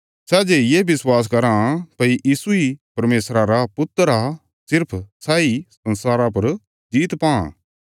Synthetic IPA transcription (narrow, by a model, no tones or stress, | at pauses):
sɛːd͡ʒejeːbɪswaːs̬kɐɾãpɐiʔiːsuipɐɾmeːsɾãɾapʊt̪ːɾa | sɪɾpʰsaːisɐ̃nsaːɾap̬ɐɾ | d͡ʒiːt̪pã̰